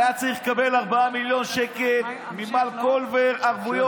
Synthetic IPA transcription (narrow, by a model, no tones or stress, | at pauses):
jat͡saʁiχlekabe̞laʁbaamiljo̞nʃekel | mimalkolveʁaʁvujo